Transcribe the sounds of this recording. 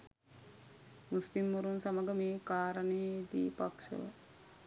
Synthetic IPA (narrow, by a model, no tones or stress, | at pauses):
muspimːuɾunsaməɡəmeːkaːɾəneːd̪ḭːpakʃə̰ʋə̰